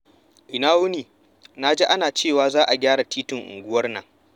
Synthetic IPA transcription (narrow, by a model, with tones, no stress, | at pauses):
ʔɪ˨naː˦wʊ˦niː˨ | na˦d͡ʒe˦ʔa˦naː˨t͡ʃeː˦˨waː˦zaː˦ʔa˨ɡʲaː˦ɽa˨tiː˦tʊ˨ŋʔʊ̰˨ŋɡʷʊ˦wɐ˦rnɐ̰˨ŋ